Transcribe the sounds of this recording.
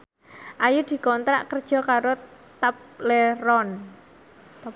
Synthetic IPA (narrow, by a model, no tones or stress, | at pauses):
ʔajud̪̥i̤kɔnt̪ɾa̰ʔkərd̥ʒ̥ɔ̤kaɾot̪apleɾɔn